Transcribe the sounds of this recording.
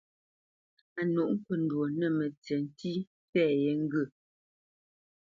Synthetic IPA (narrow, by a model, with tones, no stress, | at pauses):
a˨nu˨ʔŋ̩˦kə˨n̩˦dwo˨nə˨mə˨t͡se˨n˦ti˦ | fɛː˦˨je˨˦ŋ̩˦ɡə˦˨